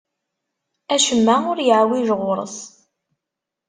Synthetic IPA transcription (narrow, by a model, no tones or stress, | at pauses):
æʃəmːaʊɾjəʕwiʒʁʊɾˤə̰s